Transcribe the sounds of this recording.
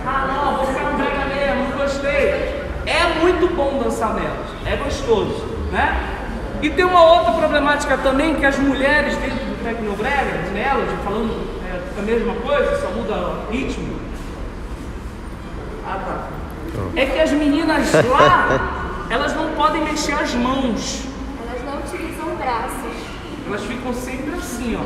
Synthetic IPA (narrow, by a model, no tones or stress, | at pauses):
anɐ̃w̃võkaɾũbẽj̃ɐmeʒmʊɡoʃt̪ejɐ | ɛmũj̃t̪ʊbõw̃d̪ɐ̃sanɛlɐʊsɛɡoʃt̪ozʊ | nɛ | ɪt̪ẽj̃ũmɐowt̪ɾɐpɾoblemat͡ʃi̥kɐt̪ɐ̃mbẽj̃kɪɐzmuʎɛɾɪʃd̪ẽnt̪ɾʊd̪ʊk̪ɾɛkɪnobɾɛɾɐ̃nɛlɐzɪfalɐ̃nd̪ʊ | ɛ | ɐmeʒmɐkojzɐsɔmud̪ɐhit͡ʃimʊ̰ | at̪a̰ | ɛkɪɐzminĩnɐzla | ɛlɐznɐ̃w̃pɔd̪ẽj̃meʃeɾɐzmɐ̃w̃s | ɛlɐznɐ̃w̃ut͡ʃilizɐ̃w̃ɡɾasɐʃ | ɛlɐsfikɐ̃w̃sẽmpɾɪasĩɔ